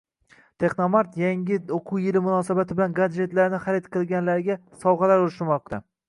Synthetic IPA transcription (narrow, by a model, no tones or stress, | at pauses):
t̪ʰe̞χnomaɾt̪jaŋʲɪoqʰʊwjɪlɪmʊnɒːsabat̪ʰɪbɪlanɡad͡ʒe̞t̪laɾnɪχaɾet̪qʰɨlˠɡʲanlaɾɡʲasɒwʁɑlaɾoɾɪʃɪmɒq̚t̪ʰa